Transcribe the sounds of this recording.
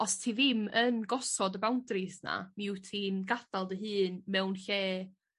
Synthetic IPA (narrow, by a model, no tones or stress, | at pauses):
ɔstʰivɪmənɡɔsɔdəbawndrɨsna̰miutʰinɡad̥alˠdəɦɨːnmɛwnɬeː